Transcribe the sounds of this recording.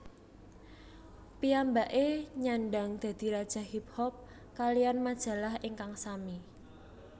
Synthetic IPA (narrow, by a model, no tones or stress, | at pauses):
piambaʔeɲaɳɖaŋd̪̥ä̤d̪̥i̤ɾad̥ʒ̥a̤hip̚hɔp̚ | kalijanmad̥ʒ̥ä̤lahʔiŋkaŋsami